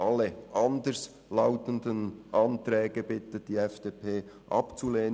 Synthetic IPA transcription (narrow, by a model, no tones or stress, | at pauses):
ʔɑlːəʔɑndəs | laʊtəndənʔɑntɾɛːɡ̥əbɪtəd̥iːɛfd̥eːpʰeː | ʔɑ̰pt͡suleːn